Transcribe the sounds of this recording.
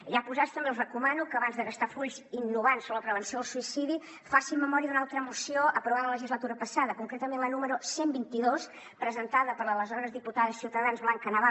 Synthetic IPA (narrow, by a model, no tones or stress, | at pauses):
ʒapuzast̪əmbewzrəkumanukəːβanzðəɣəst̪afuʎzinːuβansoləpɾəβənsioəlˠsuisiði | fasimməmɔɾiəðunalˠt̪ɾəmusioʔəpɾuβaðələləʒizlət̪uɾəpəsaðəkuŋkɾet̪əmenlənuməɾusembint̪iðos | pɾəzənt̪aðəpəɾlələzɔβɾəzðiput̪aðəsi̥siwt̪əðanzβlaŋkənəβa